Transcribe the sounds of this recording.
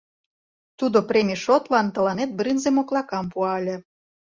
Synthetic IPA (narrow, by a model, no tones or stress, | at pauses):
t̪ud̪opɾemʲiʃot̪lɑnt̪ɤ̆lɑnet̪̚brinzemoklˠɑkɑmpuɑlʲĕ